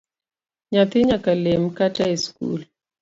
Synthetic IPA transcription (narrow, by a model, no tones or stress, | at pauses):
ɲat̪ɪɲakalemkataeskṵl